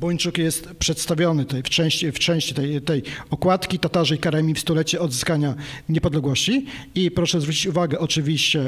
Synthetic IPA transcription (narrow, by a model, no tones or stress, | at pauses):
bɔɲt͡ʂukjɛst̪pʂɛt̪st̪avʲjɔnɘt̪ɛft͡ʂɛ̃w̃ɕt͡ɕift͡ʂɛ̃w̃ɕt͡ɕit̪ɛjt̪ɛjɔkwat̪kʲit̪at̪aʐɛikaɾɛmʲifst̪ulɛt͡ɕɛɔd̪zɘskaɲaɲɛpɔd̪lɛɡwɔɕt͡ɕi | ipɾɔʂɛzvɾut͡ɕit͡ɕuvaɡɛʔɔt͡ʂɘvʲiɕt͡ɕɛ